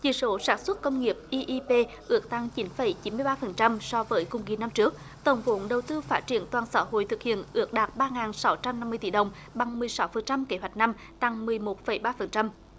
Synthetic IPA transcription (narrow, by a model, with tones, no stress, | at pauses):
t͡ɕi˧˩so˨˦saː˨˦nswə˦˥t̚kə˧wŋ͡mŋi˨˩əp̚ʔi˧ʔi˧pe˧ | ʔɨ˨˦ək̚t̪a˧ŋt͡ɕi˨˦nfə˧˩jt͡ɕi˨˦nmɨ˧əjɓaː˧fə˨˩nt͡ɕa˧msɔ˧vəː˨˦jkʊ̰˧ŋ͡mki˨˩˦na˧mt͡ɕɨ˦˥ək̚ | t̪ə˨˧˩wŋ͡mvo̰˧˨˦nɗə˨˩wt̪ɨ˧faː˦˥t̚t͡ɕi˧˩ənt̪waː˨˩nsa̰ː˧˦ho̰˧˨jt̪ʰɨ˨˩k̚hḭ˧˨ənʔɨ˨˥ək̚ɗaː˨˩t̚ɓaː˧ŋaː˨˩nsa˨˦wt͡ɕa˧mna˧mːɨ˧jt̪ḭ˧˩ɗə˨˩wŋ͡m | ɓa˨˩ŋmɨ˨˩əjsa˨˦wfə˨˩nt͡ɕa˧mke˧˨˦hɦwa˨˩jk̟̚na˧m | t̪a˧˩ŋmɨ˨˩əjmo˨˩t̚fə˧˩jɓaː˧fə˨˩nt͡ɕa˧m